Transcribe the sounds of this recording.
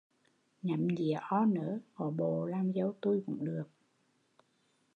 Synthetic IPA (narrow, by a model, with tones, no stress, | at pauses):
ɲa˨˩˦mɲḭ˨əʔɔ˧nəː˨˦ho˨˦ɓo˧˨laː˧˩mzə˨˧˦wt̪u˧jkʊ̰˧˥ŋ͡mɗɨ˨˩ək̚